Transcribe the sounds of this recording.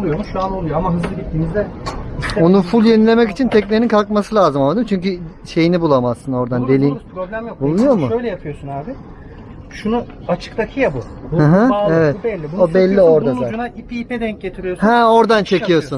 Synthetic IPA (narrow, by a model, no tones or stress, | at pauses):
lˠujomuʃuanolˠujoamaɦɯzlˠɯɟit̪ːiːmizd̪ɛio̞nunfulʲˠje̞nilʲe̞mɛcit͡ʃʰint̪ʰɛclʲeɾinkʰalˠkmasɯlʲaːzɯmamad̪ɯmt͡ʃʰyɲʲcy | ʃe̞jinibulˠamassɯno̞ɾd̪and̪e̞lʲiːmpʰɾoblʲæmjobulˠunujo̞mʊøjlʲɛjapʰɯjo̞sunaːbɪ | ʃunu | at͡ʃʰɯ̥kt̪akʰɯjabu | hɯ̃ɦãevɛt̪bɛlʲːibuobɛlʲːio̞ɾd̪ad̪ad͡ʒunaipʰiped̪ɛɲ̚ɟet̪ʰiɾijohɛo̞ɾd̪ant͡ʃʰe̞cijo̞sun